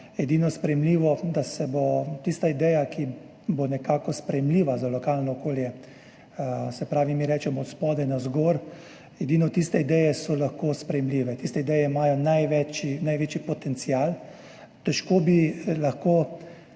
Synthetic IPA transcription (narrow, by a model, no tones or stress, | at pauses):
ɛd̪iːnɔspɾɛjɛmliːʋɔd̪asɛbot̪ist̪aid̪ɛjaki | bonɛkaːkɔspɾɛjɛmliːʋazalɔkaːlnɔɔkoːljɛ | sɛpɾaːʋimiɾɛːt͡ʃɛmɔːt̪spɔːd̪anazɡoɾ | ɛd̪iːnɔt̪ist̪ɛid̪ɛjɛsɔlaxkoːspɾɛjɛmliːʋɛt̪ist̪ɛid̪ɛjɛimaːjɔnajʋɛt͡ʃinajʋeːt͡ʃipɔt̪ɛnt̪sijaːl | t̪ɛʃkoːbilɐxkoː